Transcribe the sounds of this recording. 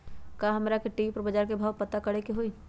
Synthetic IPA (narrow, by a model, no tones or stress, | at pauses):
kaːɦɐmɾakeʈiːpəɾbɐd͡ʒaːɾkebʱaːwpɐt̪akɐɽekeɦoiː